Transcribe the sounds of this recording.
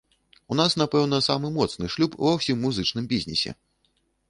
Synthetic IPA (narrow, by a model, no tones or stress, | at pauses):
unasnapɛwn̪ɐsamɨmɔt̪snɨʂlʲupːvawsʲimːuzɨt͡ʂn̪ɨmbʲizʲnʲisʲɛ̰